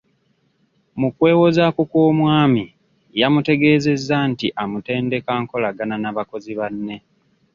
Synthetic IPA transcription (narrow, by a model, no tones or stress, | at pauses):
mukwe̞ːwo̞zakukoːmwaːmi | jamute̞ɡe̞ːze̞zːantiʔamute̞ːnde̞kaːŋko̞laɡananaβako̞ziβanːe̞